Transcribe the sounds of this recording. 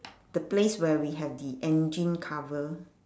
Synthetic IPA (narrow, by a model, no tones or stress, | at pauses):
d̥əpleswɛwiɦɛvdiʔɛ̃nd͡ʒĩnkʰavəl